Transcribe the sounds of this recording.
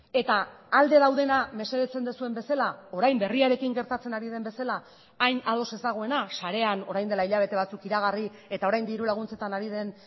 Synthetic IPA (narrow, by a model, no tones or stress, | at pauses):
e̞t̪aːld̪e̞ðawðe̞name̞seðet͡se̞nd̪esue̞mbe̞salao̞ɾajmbe̞riaɾe̞kiŋɡe̞ɾt̪at͡se̞naɾið̞e̞mbe̞salaː | jnað̞o̞se̞zd̪aɣ̞o̞e̞nasaɾe̞ano̞ɾajnd̪e̞laiʎaβ̞e̞t̪e̞β̞at͡sukiɾaɣ̞ari | e̞t̪ao̞ɾajnd̪iɾulaɣ̞unt͡se̞t̪anaɾið̞e̞n